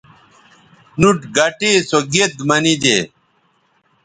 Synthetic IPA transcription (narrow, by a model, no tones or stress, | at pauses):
nuʈɡɐʈesoɡet̪mɐnid̪eː